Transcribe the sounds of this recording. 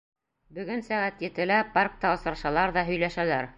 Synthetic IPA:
bɵ̆ɡɵnsæʁæt̪jɘ̆t̪ɘ̆læpark̚t̪ɑŏsɾɑʃɑlˠɑɾðɑɦɵ̆jlæʃælæɾ

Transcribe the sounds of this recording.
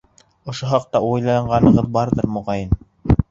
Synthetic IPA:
ŏʃoɦɑq̚t̪ɑujlˠɑɴɢɑnɤ̆ʁɤðbɑɾðɤɾmŏʁɑjɤn

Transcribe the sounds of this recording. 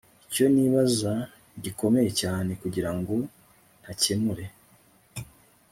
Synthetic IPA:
ico̞niβaza | ɟiko̞me̞jecaːne̞kuɟiɾaŋɡo̞ | n̥hacemuɾe̞

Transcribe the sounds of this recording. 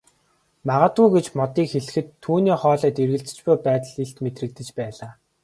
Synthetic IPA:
maʁaːt̪ɣuːɡet͡ɕmɔt̪iːkxeɮɘ̆xɘ̆t̪ʰːuːniːχɔːɮœːt̪erɣɘ̆ɮt͡sɘ̥̆t͡ɕpʊjpæːt̪ə̆ɮeɬt̪met̪rɘ̆k̚t̪ɘ̆t͡ɕpæːɮaː

